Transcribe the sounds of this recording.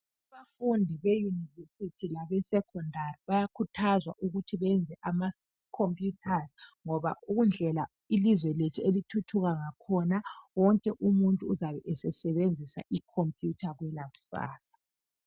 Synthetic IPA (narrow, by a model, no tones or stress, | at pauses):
aβafundʱiβejunivesitʰilaɣɛsɛkʰɔndʱariβajakʰutʰazwa̰ʔuɣutʰiβɛnd͡zʱɛʔama | kʰompʼjutʰazŋɔβa̰ʔuɣund͡ɮʱɛla | ilizwɛletʰielitʰutʰuɣaŋakʰɔnawɔŋkʼɛʔumuntʼuːzaβɛʔɛsɛsɛβend͡zʱisa̰ʔikʰompʼjutʰaɣwɛlaβu̥fa̰ːsḁ